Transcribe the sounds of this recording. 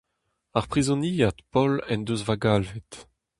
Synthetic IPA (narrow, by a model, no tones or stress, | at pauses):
aʁpʁizɔ̃niːat̪pɔlɛnd̪øzvaɡalvet̪